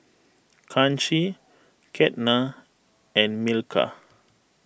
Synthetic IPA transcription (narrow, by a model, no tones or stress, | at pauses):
kʰãnt͡ʃi | kʰɛtna | ɛ̃nmilkʰa̰